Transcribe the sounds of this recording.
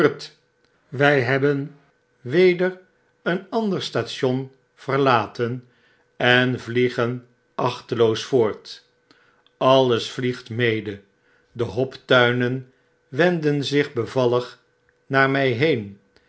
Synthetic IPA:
t | ʋɛjɦɛbən | ʋejdər | ənɑndəɹstaːtʃɔn | v̥əɹlaːtən | ɛnvliχən | ʔɑχtəlowsfʊːɹt | ɑləsfliχtmejdə | dəɦɔptœɥnən | ʋɛndənzɪχbəvɑləχ | naːɹmɛjɦejn

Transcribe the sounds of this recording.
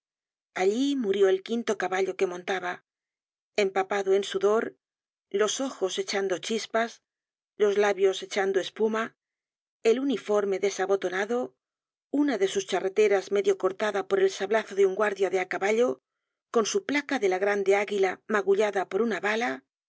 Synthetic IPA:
aʎimuɾjo̞elkint̪o̞kaβaʎo̞ke̞mõ̞nt̪aβa | e̞mpapaðoensuðo̞ɾ | lo̞so̞xo̞se̞t͡ʃand̪o̞t͡ʃispas | lo̞zlaβjo̞se̞t͡ʃand̪oe̞spuma | e̞lunifo̞ɾme̞ðe̞saβo̞t̪onaðo̞ | unaðe̞sust͡ʃare̞t̪e̞ɾazme̞ðjo̞ko̞ɾt̪aðapo̞ɾe̞lsaβlaθo̞ðeuŋɡwaɾðjaðe̞akaβaʎo̞ | ko̞nsuplakaðe̞laɣɾand̪e̞aɣilamaɣuʎaðapo̞ɾunaβala

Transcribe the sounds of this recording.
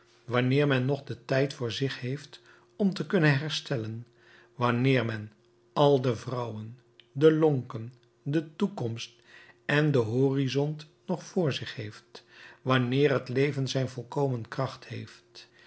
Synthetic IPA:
ʋɑnɪːɹmɛnːɔχdətɛjtfʊːɹzɪχhejft | ɔmtəkɵnənɦɛɹstɛlən | ʋɑnɪːɹmɛn | ʔɑlˠdəvrʌwən | dəlɔŋkən | dətukɔmst̚ | ɛndəɦoːrizɔnt | nɔχfʊːɹzɪχhɦejftʋɑnɪːrɦətlejvənzɛjnvɔlˠkowmənkrɑχthejft

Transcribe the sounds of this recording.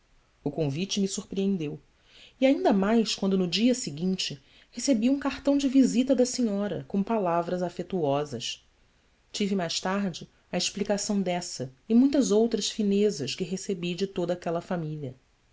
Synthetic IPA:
ʊkõvit͡ʃɪmɪsuɾpɾiẽnd̪ew | iaĩnd̪ɐmajʃkwɐ̃nd̪ʊnʊd͡ʒiɐsɪɡĩnt͡ʃɪ | hesebiũkaχt̪ɐ̃w̃d͡ʒɪvizit̪ɐd̪ɐsiɲɔɾɐ̰kõpalavɾɐzafet̪uɔzɐʃ | t͡ʃivɪmajʃt̪aɾd͡ʒɪ | ɐɪʃplikasɐ̃w̃d̪ɛsɐɪmũj̃t̪ɐzowt̪ɾɐʃfinezɐʃkɪɦesebid͡ʒɪt̪od̪ɐaːkɛlɐfamiliɐ

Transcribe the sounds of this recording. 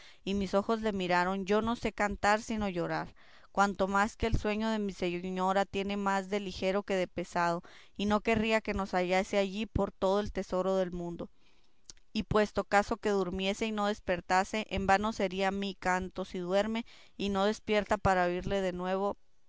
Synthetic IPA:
imiso̞xo̞zle̞miɾaɾo̞nɟ͡ʝo̞no̞se̞kant̪aɾsino̞ʝo̞ɾaɾ | kwant̪o̞maske̞ːlswe̞ɲo̞ð̞e̞mise̞ɲo̞ɾat̪je̞ne̞mazðe̞lixe̞ɾo̞ke̞ð̞e̞pe̞sað̞o̞ | ino̞ke̞riake̞no̞saʝaseaʝipo̞ɾt̪o̞ð̞oe̞lt̪e̞so̞ɾo̞ðe̞lmũnd̪o̞ | ipwe̞st̪o̞kaso̞ke̞ðuɾmje̞se̞ino̞ðe̞spe̞ɾt̪ase̞ʔembano̞se̞ɾiamikant̪o̞siðwe̞ɾme̞ | ino̞ð̞e̞spje̞ɾt̪apaɾaoiɾle̞ðe̞nwe̞β̞o̞

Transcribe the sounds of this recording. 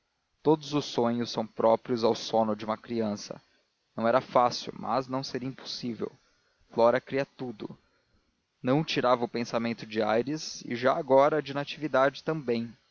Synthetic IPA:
t̪od̪ʊzʊsːõɲʊsːɐ̃w̃pɾɔpɾiʊzawsõnʊd͡ʒɪũmɐkɾiɐ̃sɐ̰ | nɐ̃w̃ɛɾɐfasḭwmɐ̰znɐ̃w̃seɾiɐĩpo̥sivḛw | flɔɾɐkɾiɐt̪ud̪ʊ | nɐ̃w̃t͡ʃiɾavɐʊpẽsamẽnt̪ʊd͡ʒɪajɾɪzɪ̰ʒaːɡɔɾɐd͡ʒinat͡ʃivid̪ad͡ʒɪt̪ɐ̃mbẽj̃

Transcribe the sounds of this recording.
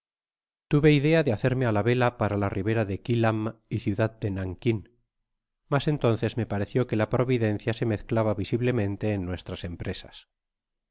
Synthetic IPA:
t̪uβe̞iðe̞aðeaθe̞ɾme̞alaβe̞lapaɾalariβe̞ɾaðe̞kilamiθjuðað̚d̪enaŋkin | mase̞nt̪o̞nθe̞zme̞paɾe̞θjo̞ke̞lapɾo̞βiðe̞nθjase̞me̞θklaβaβisiβle̞mẽ̞nt̪e̞ːnːwe̞st̪ɾase̞mpɾe̞sḁ̰s

